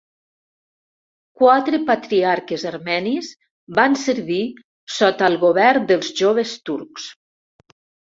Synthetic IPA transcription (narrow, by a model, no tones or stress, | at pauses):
kwat̪ɾəpat̪ɾiaɾkezaɾmɛnis | bansəɾβi | sɔt̪aəlˠɣoβɛɾd̪əlˠzʒoβ̞əst̪uɾks